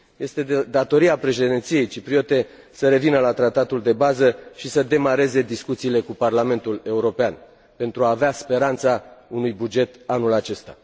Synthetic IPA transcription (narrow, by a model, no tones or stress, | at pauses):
je̞st̪e̞d̪at̪o̞ɾiapɾe̞ʃe̞d̪int̪sije̞jt͡ʃipɾio̞t̪e̞ | səɾe̞vinəlat̪ɾat̪at̪uld̪e̞bazəʃisəd̪e̞maɾe̞ze̞d̪iskut̪siːle̞kuparlame̞nt̪ule̞uɾo̞pean | pe̞nt̪ɾuaːveaspe̞ɾant̪saunujbud͡ʒe̞t̪anulat͡ʃe̞st̪a̰